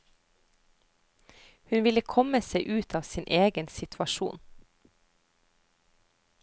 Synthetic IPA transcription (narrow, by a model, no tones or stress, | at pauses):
hʉnʋɪləkʰɔməseɪʔʉːt̪ʰɑːʋsiːnʔeːɡənsɪt̪ʰʋɑʃṵːn